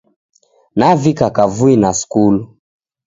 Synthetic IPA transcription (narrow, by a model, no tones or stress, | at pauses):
navikakavuinaskulu